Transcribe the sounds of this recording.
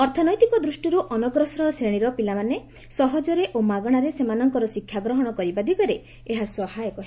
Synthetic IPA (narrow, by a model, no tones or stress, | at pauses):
ɔɾt̪ʰɔnɔjt̪ikɔd̪ɾusʈiɾuʔɔnɔɡɾɔsɾɔɾɔsɾeɽ̃iɾɔpilamane | sɔɦɔd͡ʒɔɾeʔomaɡɔɽ̃aɾesemanɔŋkɔɾɔsikʰjaɡɾɔɦɔɽ̃ɔkɔɾibad̪ʱikɔɾe | eɦasɔhajɔkɔɦ